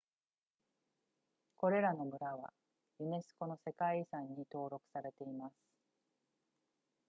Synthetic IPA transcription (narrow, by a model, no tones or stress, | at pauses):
ko̞ɾe̞ɾano̞mɯ̟ɾaβ̞a̰ | ɯ̟ne̞sɨ̥ko̞nose̞kaisãɲ̟ːit̪o̞ːɾo̞kɯ̟̥saɾe̞t̪e̞imasɨ̥